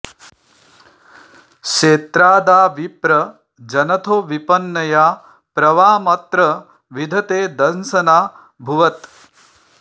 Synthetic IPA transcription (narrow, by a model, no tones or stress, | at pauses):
ʃeːt̪ɾaːd̪aːʋipɾɐ | d͡ʒɐnɐt̪ʰoːʋipɐnːɐjaː | pɾɐʋaːmɐt̪ɾɐ | ʋid̪ʱɐt̪eːd̪ɐnsɐnaː | bʱuʋɐt̪